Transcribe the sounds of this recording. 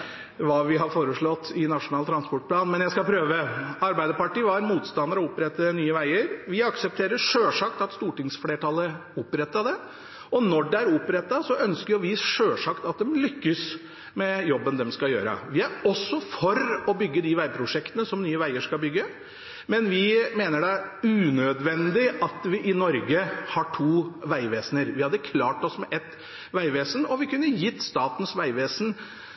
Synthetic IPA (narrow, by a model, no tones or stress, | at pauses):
ʋɑʋɪɦɑɾfoːɾəʂɭɔt̪ːɪnɑʂʊnɑːlt̪ʰɾɑnspɔʈ̚pʰlɑːnmɛnjæɪskɑpʰɾøːʋəɑɾbæɪd̪əɾpɑʈiːʋɑɾmuːt̪st̪ɑnd̪əɾɔʊpɾɛt̪ːənyːəʋæɪəɾʋɪɑksəp̚t̪ʰeːɾəʂøːʂɑkt̪ɑt̪st̪uːʈɪŋsfleːʈʰɑlːəʊpːɾɛt̪ːɑd̪ɛ | ɔnɔɖɛæɾʊpɾɛt̪ːɑsɔʔœnskəɾjɔʋɪʂøːʂɑkt̪ɑt̪̚d̪ɛmlʏkːəs | mɛjɔbːənd̪ɛmskɑjø̰ːɾə̰ʋɪæɾɔsːɔfɔɾɔbʏɡːəd̪ɪʋæɪpʰɾʊʂɛkt̪ənəsɔmnyːəʋæɪəʂkɑlbʏɡːə | mɛnʋɪmeːnəɖæʉːnød̪ʋɛnd̪ɪɑt̪ʋɪʔɪnɔɾɡəhɑʈʰuːʋæɪʋeːsnəɾʋɪhɑd̪ːəkʰlɑːʈɔsmɛʔɛt̪ | ʋæɪʋeːsnɔʋɪkʉnːəjɪt̪ːst̪ɑːt̪ən̩sʋæɪʋeːsən